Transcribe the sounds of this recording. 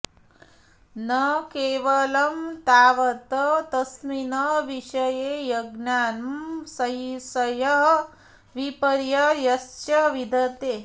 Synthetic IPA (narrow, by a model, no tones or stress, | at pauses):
nɐkeːʋɐlɐmt̪aːʋɐt̪ɐt̪ɐsminɐʋiʃɐjeːjɐɡnaːnɐmsɐjisɐjɐɦ | ʋipɐɾjɐjɐst͡ʃɐʋid̪ʱɐt̪eː